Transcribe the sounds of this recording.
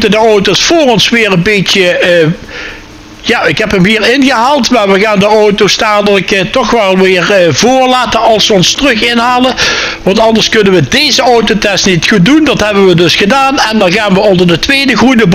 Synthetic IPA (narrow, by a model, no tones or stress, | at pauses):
tədəowtosfoːrɔnsʋɪːrənbejtjə | jaːɪkɦɛpɦəmɦiːɹɪnɣəɦaːlˠtmaːɹʋəɣaːndəowtostaːdələktɔxʋɛlˠʋɪːɹvʊːɹlaːtənɑlˠsʋəɔnstrɵχɪnɦaːlə | ʋɑntɑndəɹskɵnənʋədejzəowtotɛstnitxut̚dundɑtɦɛbəʋədɵsxədaːnɛndɑnɣaːnʋəɔndəɹdətʋejdəɣrudəb